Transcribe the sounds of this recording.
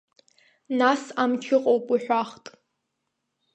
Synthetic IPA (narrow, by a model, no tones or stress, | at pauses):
nasamt͡ʃʰɪqʼowpʼiħᶣʷaχtʼ